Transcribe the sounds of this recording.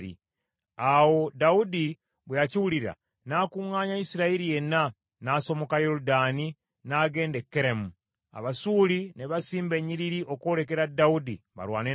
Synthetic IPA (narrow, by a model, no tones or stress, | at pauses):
ḭ | awo̞daudi | βweaciwuliɾa̰ | naːkuŋaːɲaisiɾaiɾije̞na | naːso̞mo̞kajo̞ɾudani | naːɡe̞ːndekːeɾemu | a̰βasuline̞βasiːmbe̞ɲiɾiɾiʔo̞ko̞ɾe̞ke̞ɾadaudḭβa̰lwaːne